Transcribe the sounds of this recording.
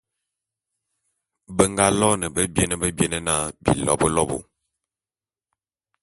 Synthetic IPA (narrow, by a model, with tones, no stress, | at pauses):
bə˦ŋɡa˦lɔ˦nə˨bə˦bjɛ˦nə˦bə˦bjɛ˦nə˦na˦bḭ˨lɔ̰˦˨bə˦lɔ˦bo̰˨